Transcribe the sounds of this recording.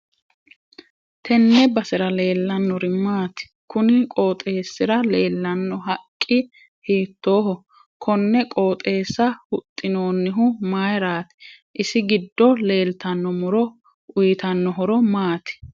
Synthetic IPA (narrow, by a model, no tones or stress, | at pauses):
t̪ʰɛnːɛbɐsɪɾɐle̞ːlːɐnːɔɾɪmaːt̪ɪ̥ | kʊnɪkʼoːt̪ʼe̞ːsːɪɾɐleːlːɐnːɔɦɐkʼːɪ | hiːt̪ːo̞ːɦɔ | kʰɔnːɛkʼoːt̪ʼe̞ːsːɐhʊt̪ʼːɪno̞ːnːɪɦʊmaːjɾaːt̪ɪ̥ | ʔɪsɪɡɪd̪ːɔle̞ːlt̪ɐnːɔmʊɾɔ | ʊjɪt̪ɐnːɔɦɔɾɔmaːt̪ɪ̥